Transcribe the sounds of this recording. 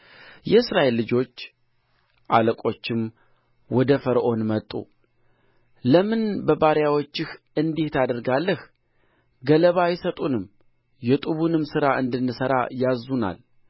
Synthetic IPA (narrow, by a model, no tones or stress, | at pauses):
jɛɨsɾaʔe̞lːɨd͡ʒo̞t͡ʃː | ʔaləkʼo̞t͡ʃːɪm | wɔd̪əfəɾʔo̞nmət̪ʼːṵ | ləmɨnbəbaɾjawo̞t͡ʃːɪhʔɨnd̪iht̪ʰad̪əɾɡalːəh | ɡələβajɪsət̪ʼunɨm | jɛt̪ʼuβunɨmːsɨɾaʔɨnd̪ɨnːɨsəɾa̰jazːuna̰l